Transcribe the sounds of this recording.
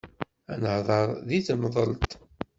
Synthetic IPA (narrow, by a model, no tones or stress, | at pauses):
ænəhðˤɑɾˤðiθmðˤəlt̪